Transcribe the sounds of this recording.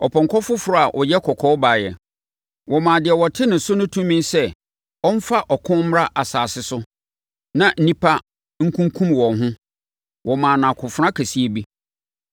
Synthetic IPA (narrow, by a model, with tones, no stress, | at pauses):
ɔ˨pʰɔ̃˨ŋkʰɔ˦fʊ˦fʊ˨ɾʊ˦a˨ʔɔ˨jɛ˦kʰɔ˨kʰɔː˦ba˨jɛ̰˨ | wɔ˨mãː˨dɪ˨ɛ˨wɔ˨tʰɪ˦nɪ̃˨sʊ˦nʊ̃˦tʰũ˦mĩ˦nsɛ˦ | ɔ˦n˦fa˦ʔɔ˨kʰʊ̃˦m˦ɾa˦ʔa˨saː˨sɪ˦sʊ˦ | nã˨n̩˦nĩ˦pʰa˦ | ŋ̩˦kʰũ˦ŋkʰũ˦mwɔ̃˨nɦʊ̃˦ | wʔɔ˨mãː˨nã˨kʰʊ̃˨fʊ˦ɾã˦kʰæ˨si˦e˨bi˦